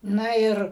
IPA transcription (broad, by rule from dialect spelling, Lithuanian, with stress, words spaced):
ˈnɐ ˈɪr